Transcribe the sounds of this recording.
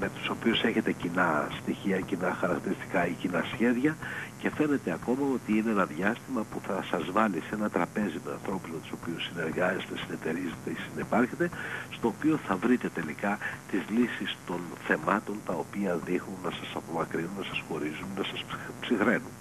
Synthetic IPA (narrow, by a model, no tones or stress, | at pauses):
me̞t̪u̥so̞piuse̞çe̞t̪e̞cinɐst̪içiɐcinɐxɐɾɐk̚t̪iɾist̪i̥kɐicinɐsçe̞ðʝɐce̞fe̞ne̞t̪e̞ɐko̞mɐo̞t̪iineenɐðʝɐst̪imɐpuθɐsɐzvɐlisenɐt̪ɾɐpe̞zimeɐ̰nθɾo̞puzmet̪u̥so̞piusineɾɣɐst̪esine̞t̪e̞ɾizet̪esinipɐɾçet̪e̞st̪o̞ːpio̞θɐvɾit̪e̞t̪e̞likɐt̪izlisist̪o̞nθe̞mɐt̪o̞nt̪ɐo̞piɐðixnunːɐsɐsɐpo̞mɐkɾinunnɐsɐsxo̞ɾizunːɐsɐsppsixɾe̞nun